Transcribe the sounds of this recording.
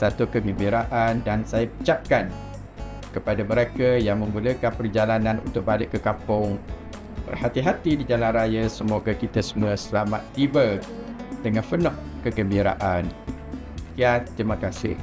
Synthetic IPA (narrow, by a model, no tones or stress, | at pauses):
sat̪ukəɡəmbiɾaʔandansajapə̥t͡ʃap̚kan | kəpadaməɾekəjaŋmə̃ŋɡuləkanpərd͡ʒalanãnṵnt̪ʊk̚balɪʔkːəkapʊŋ | b̥ə̰rhat̪iɦat̪idid͡ʒalanrajasəmoɡakit̪asəmuəsəlamat̪̚t̪ibə | d̥əŋãnfənɔhkəɡəmbiɾa̰ʔan | k̪iat̪ːɾiməkasɪ̰h